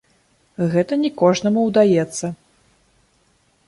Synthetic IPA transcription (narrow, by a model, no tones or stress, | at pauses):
ɣɛt̪ɐnʲɛkɔʐnɐmuwd̪ajɛt̪sːɐ